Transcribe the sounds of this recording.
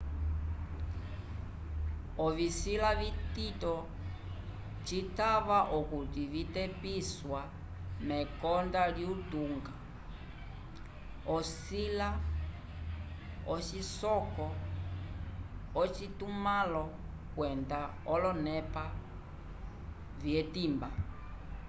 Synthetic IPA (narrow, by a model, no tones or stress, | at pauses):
ɔvisilavititɔ | t͡ʃitaβaʔɔkutivitɛpiswa | mɛkɔndaliutuŋɡa | ɔsila | ɔt͡ʃisɔkɔ | ɔt͡ʃitumalɔ | kwɛnda | ɔlɔnɛpa | vjɛtimba